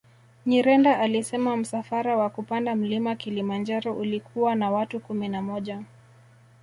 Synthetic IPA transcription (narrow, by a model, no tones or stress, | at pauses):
ɲiɾɛndaʔalisɛmam̩safaɾawakupandam̩limakilimand͡ʒaɾɔʔulikʰuwanawatukuminamɔʄa